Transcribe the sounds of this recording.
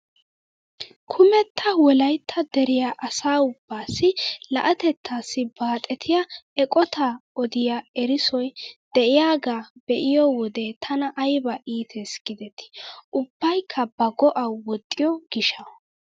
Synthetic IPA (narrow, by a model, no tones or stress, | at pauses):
kʰʊmɛt̪ʰːɐwɔlɐjt̪ʰːɐd̪ɛɾɪjaʔɐsaːʊb̥ːaːsːɪlɐ̰ʔɐt̪ɛt̪ʰːaːsːɪbaːt̪ʼɛt̪ʰɪjɐɛkʼɔt̪ʰaɔd̪ɪjaɛɾɪsɔjd̪̥ɛʔɪjaːɡaːbɛʔɪjɔwɔd̪ɛt̪ʰɐnɐʔɐjbɐʔiːt̪ʰɛsɡ̥ɪd̪ɛt̪ːɪ̥ʔʊb̥ːɐjkʰːɐbɐɡɔʔɐwɔt̪ʼːɪjɔɡ̥ɪʃɐ